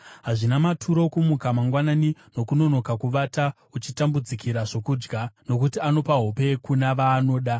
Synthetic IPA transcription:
ɦaʐinamatʰuɾo̞kumukamaŋɡwananino̞kuno̞no̞kakuʋata | ut͡ʃitambud͡zikiɾaʐo̞kuːd͡ʒɡano̞kutiano̞paɦope̞kunaʋaːno̞ːɗa

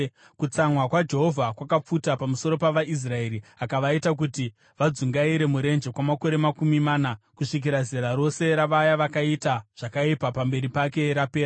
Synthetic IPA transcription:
kut͡samwakwad͡ʒe̞ɦo̞vʱakwakap͡futapamuso̞ɾo̞paʋaʔis̬rae̞ɾiakaʋaitak̬uti | ʋad͡zuŋɡaiɾe̞muɾe̞nd͡ʒe̞kwamako̞ɾe̞makumimaːnakuʂik̬iɾazeɾaɾo̞se̞ɾaʋajaʋakaitaʐ̥akaipapambe̞ɾipake̞ɾapeːɾa

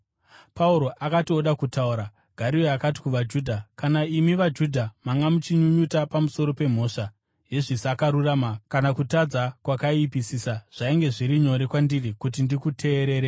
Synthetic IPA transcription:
pauɾo̞ʔakatio̞ɗakutauɾa | ɡ̥ʱaɾioakati̥kuʋad͡ʒuːdʱakanaimiʋad͡ʒudʱamaŋɡamut͡ʃiɲuɲutapamuso̞ɾo̞pe̞m̤o̞ʂa | je̞ʐisakaɾuramakanakutad͡zakwakaiipisisaʐ̥aiŋɡe̞ʐiɾiɲo̞ɾe̞kwandirikutindikutʰe̞ːɾe̞ːɾe

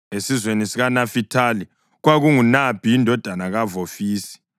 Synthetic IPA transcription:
esizwenisiɣanafitʰali | ɣwaɣuŋunab̥ʱiindʱɔd̥ʱanaɣavofiːsi̥

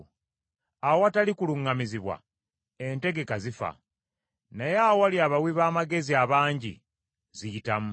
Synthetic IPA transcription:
awowatalikuluŋːamiziβwa̰ | ente̞ɡe̞kazifa̰ | nejaowaliaβawiβaːmaɡe̞ziaβaːɲɟḭ | zijitam

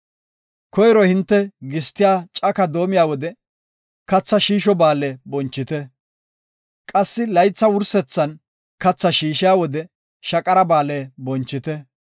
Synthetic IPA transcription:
kʰɔjɾɔhɪnt̪ːɛɡɪst̪ːɪjaːt͡ʃʼɐkɐd̪o̞ːmɪjaːwɔd̪ɛ | kɐt͡sːɐʃiːʃɔbaːlɛbɔnt͡ʃːɪt̪ɛ | kʼɐsːɪlɐjt͡sːɐwʊɾsɛt͡sːɐn | kɐt͡sːɐʃiːʃɪjaːwɔd̪ɛ | ʃɐkʼɐɾɐbaːlebɔnt͡ʃːɪt̪ɛ

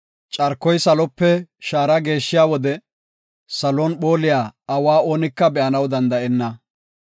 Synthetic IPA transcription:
t͡ʃʼɐɾkːɔjsɐlɔpːɛʃaːɾɐɡe̞ːʃːɪjaːwɔd̪ɛ | sɐlɔnɓo̞ːlɪjaːɐwaːo̞ːnɪkːɐbɛʔɐnɐwd̪ɐnd̪ɐʔɛnːɐ

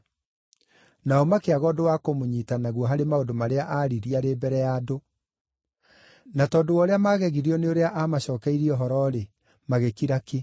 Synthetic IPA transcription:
naɔmakeaɣɔdowakomoɲiːtanaɣwɔɦaɾemaodomaɾeaʔaɾiɾiaɾebɛɾɛjado | natɔːdowɔɾeamaɣɛɣiɾiɔneoɾeaʔamaɕɔːkɛiɾiɔɦɔɾɔɾe | maɣekiɾake

